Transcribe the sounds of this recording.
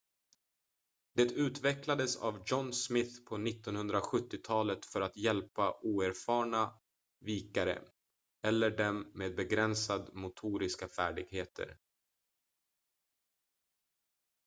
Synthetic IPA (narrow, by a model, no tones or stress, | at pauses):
d̪̥ɛt̪ʉ̟ːt̪vɛklad̪əsa̰vd͡ʒɔnsmɪθpʰɔnɪt̪ːɔnhɵnd̪ɾaɧɵt̪ːɪt̪ʰɑːlət̪fœɾat̪jɛlpaʔuːæɾfɑːɳa | viːkaɾə̰ | ɛlːəɖɛmːeːd̪̚bɛɡɾɛnsad̪mʊt̪ʰuːɾɪskafæːɖɪɡheːt̪ʰə̰ɾ